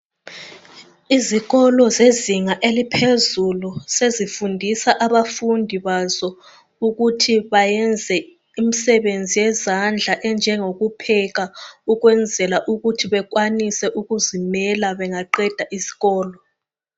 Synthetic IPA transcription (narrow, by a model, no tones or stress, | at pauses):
iziɣɔlɔzeziŋaʔelipʰezulusezifundʱisaʔaβafundʱiβazɔ | uɣutʰiβajɛnd͡zʱɛ | imisɛβend͡zʱijɛzand͡ɮʱaʔɛnd͡ʒʱɛŋoɣupʰɛɣauɣwɛnd͡zʱɛlaʔuɣutʰiβɛɣwanisɛʔuɣuzimɛlaβɛŋaǃɛd̥ʱaʔisi̥ɣɔːlɔ